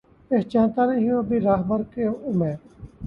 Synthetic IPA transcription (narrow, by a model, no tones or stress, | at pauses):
peːɦt͡ʃãːnt̪aːɾẽɦijõːbʱiːɾaːɦbəɾkeːʊmeː